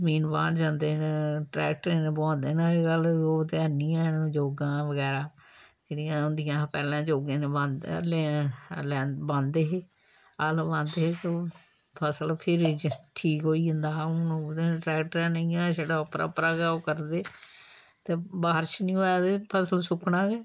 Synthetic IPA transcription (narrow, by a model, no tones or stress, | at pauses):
miːnbã̰ːnd͡ʒãːnd̪eːnʈɾɛ̰ːk̚ʈəɾẽːnebãːnd̪eːnãːeɡəloːt̪eənːijãːnd͡ʒoːɡãːʋəɡɛːɾaːd͡ʒeːɽijãːʊnd̪ɪjãːpɛːlãːd͡ʒoːɡẽːneːbãnd̪̰lẽːlɛ̃ːbãnd̪eːɦeː | əlbãnd̪eːɦeːt̪o | pʰəsəlpʰɪɾʈʰiːkɦoːiːʊnd̪aːʊ̃nod̪eːnʈɾɛːk̚ʈɾãːnəĩãːʃeːɽaːəpɾa̰ːpɾaːɡaːoːkəɾd̪eː | t̪eːbaːəɾt͡ʃnĩːoːjaːt̪eːpʰəsəlsʊkʰnãːɡeː